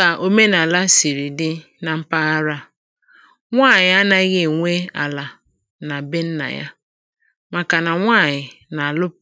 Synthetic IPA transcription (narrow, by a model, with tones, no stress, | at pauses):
a˨ʔo˦me˦na˨la˦si˨ɾi˨dɪ˦ | na˨m̩˦pa˦a˦ɾa˦ | ŋʷaː˦˨ɲɪ˨a˦na˦ɣe˦˨ŋʷe˦a̰˨la˨ | na˨be˦n̩˦na̰˨ja̰˦ | ma˨ka˨na˨ŋʷa˦˨ɲɪ˨na˨a˨lʊ˦p̚